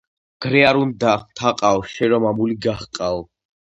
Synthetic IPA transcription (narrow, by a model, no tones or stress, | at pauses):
ɡ̥ɾɛaɾund̪aχt̪ʰaqʼawʃɛɾɔmamuliɡaχqʼa